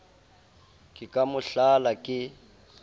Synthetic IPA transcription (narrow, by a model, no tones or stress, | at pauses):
kʼɪkʼamʊɬalakʼɪ